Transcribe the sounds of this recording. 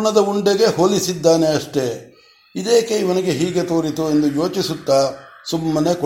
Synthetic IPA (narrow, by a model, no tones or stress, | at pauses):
ɳɐd̪ɐuɳɖeɡe̞ɦo̞ːlisid̪ːaːne̞ɐʂʈe̞ | id̪e̞ːke̞iʋɐniɡe̞ɦiːɡe̞t̪oːɾit̪ue̞nd̪ujo̞ːt͡ʃisut̪ːaːsumːɐnek